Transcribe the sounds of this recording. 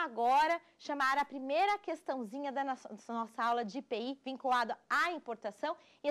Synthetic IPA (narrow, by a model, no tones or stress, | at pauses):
aɡɔɾɐ | ʃɐmaɾɐpɾimejɾɐkest̪ɐ̃w̃zĩɲɐd̪ɐnɔsɐawlɐd͡ʒɪpeivĩŋkulad̪ɐaĩpoɾt̪asɐ̃w̃ | ɪ